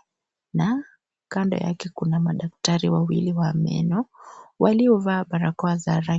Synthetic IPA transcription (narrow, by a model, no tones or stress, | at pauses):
na | kanda̰ja̰kɛkunamaɗak̚taɾiwawḭliwamɛ̰nɔwʔaliɔvaːɓaɾakɔazaɾa